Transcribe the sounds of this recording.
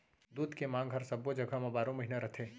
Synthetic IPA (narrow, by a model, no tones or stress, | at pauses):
d̪uːd̪kemãːŋɡɦɐɾsɐbːod͡ʒəɡʱamãbaːɾõməɦinaɾɐt̪ʰe